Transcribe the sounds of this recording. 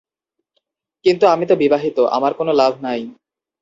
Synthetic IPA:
kint̪uamit̪obibaɦit̪oʔa̰maɾkonolabʱnaj

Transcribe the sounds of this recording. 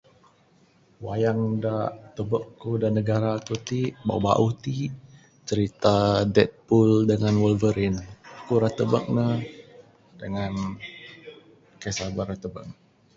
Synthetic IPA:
wajaŋdaʔt̪əbəkːudanəɡaɾakut̪iba̰wba̰ʔut̪i | t͡ʃəɾit̪adɛt̪̚puldəŋanwəlvəɾinkuɾat̪əbək̚nəh | dəŋan | kɛsabəɾat̪əbə̰k̚

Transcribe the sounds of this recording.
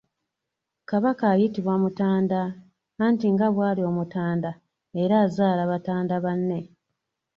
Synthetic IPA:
kaβakaːjitiβwamutaːndaː | ntiŋɡaβwaːlio̞mutaːnda | eɾaːzaːlaβataːndaβanːe̞

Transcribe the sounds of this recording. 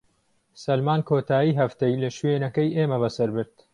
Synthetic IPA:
sɐlmaːnkʰoːt̪ʰaːjiːɦɐft̪ɐjlɐʃweːnɐkɐjʔeːmɐβɐsɐɾbɨɾt̪

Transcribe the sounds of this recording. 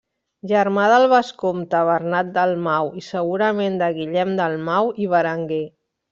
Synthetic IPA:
ʒəɾmaðəlˠβəskomt̪əβərnat̪̚d̪əlˠmawisəɣuɾəmend̪əɣiʎɛmd̪əlˠmawiβəɾəŋɡe

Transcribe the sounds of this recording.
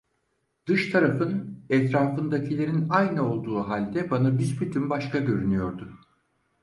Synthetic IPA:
d̪̥ɯʃt̪ʰaɾafɯnɛt̪ɾaːfɯnd̪acʰilʲe̞ɾinajnɯo̞lˠd̪uːɦalʲd̪ɛbanabizbyt̪ʰymbaʃkaɟø̞ɾynyjo̞ɾd̪ʊ

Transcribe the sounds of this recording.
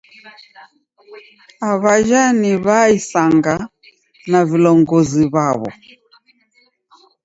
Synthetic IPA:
aβaʒaniβaisaŋɡa | navilɔŋɡɔziβaβɔ̰

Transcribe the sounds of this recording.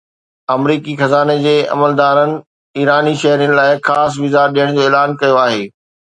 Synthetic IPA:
ɐmɾiːkixɐzaːned͡ʑeːɐ̰məld̪aːɾənɪ̆ | iːɾaːniʃɐɦɾijnɪ̆laːɪxaːs̬ʋiːzaːɾɗijəɽ̃d͡ʑoːeːlaːnkɐjoaːɦeː

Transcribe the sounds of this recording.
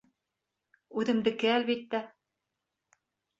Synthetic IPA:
ʉðɘ̆md̪ɘ̆kɘælβit̪ːæ

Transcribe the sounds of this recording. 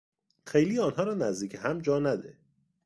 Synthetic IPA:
xejliːɒːnɦɒːɾɒːnæzd̪iːcʰeɦæmd͡ʒɒːnæd̪e

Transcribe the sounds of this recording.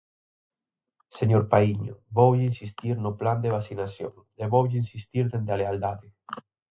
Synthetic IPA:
seɲoɾpaiɲʊ̰βowʎinsist̪iɾnʊpland̪eβ̞asinasjo̰ŋ | eβowʎɪinsist̪iɾðend̪aleald̪aðɪ

